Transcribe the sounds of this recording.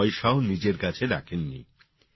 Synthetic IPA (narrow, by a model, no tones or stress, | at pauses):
jʃaonid͡ʑeɾkat͡ɕʰeɾakʰenːḭ